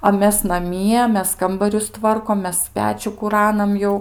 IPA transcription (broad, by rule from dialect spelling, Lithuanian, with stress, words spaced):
ɐ ˈmʲɛs nɐˈmʲiɛ ˈmʲɛs ˈkɐmbɐrʲʊs ˈtʋɐrkoːm ˈmʲɛs ˈpʲæːt͡ʃʲuː kʊˈrɑːnɐm ˈjɛʊ